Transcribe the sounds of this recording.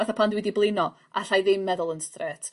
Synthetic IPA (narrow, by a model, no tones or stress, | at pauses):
aθapʰandwɪdiblˠɪnɔ | ʔa̰ɬajðɪmːɛðʊlˠənstrɛːtʰ